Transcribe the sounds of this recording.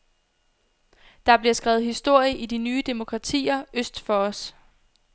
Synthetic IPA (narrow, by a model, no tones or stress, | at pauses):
d̥ɑ̈b̥liɐsɡ̥ʁɛːʊð̩ˠhisd̥o̝ɐ̰jəʔid̥inyːd̥emo̝kʰʁɑ̈t͡sʰḭːɐøsd̥fɒ̽ɒ̽s